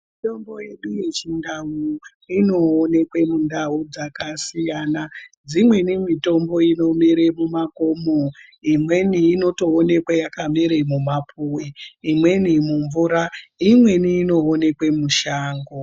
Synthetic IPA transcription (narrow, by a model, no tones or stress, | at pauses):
mito̞mbo̞je̞ɗuje̞t͡ʃindawu | ino̞ːne̞kwe̞mundaud͡zakasijanad͡zimwe̞nimito̞mbo̞ino̞miɾemumakomo | imwe̞niːno̞to̞ːne̞kwejakamiɾemumapʰuwiːmwe̞nimuɱvuɾaimwe̞niːno̞ːne̞kwe̞muʃaːŋɡo